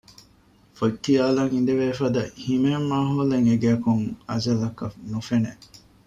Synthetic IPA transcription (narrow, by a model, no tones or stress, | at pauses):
fokːijaːlɐŋind̪eʋeːfɐd̪ɐhimemːaːɦoleŋeɡæːkuŋɐzɐlɐkɐnufeneʔ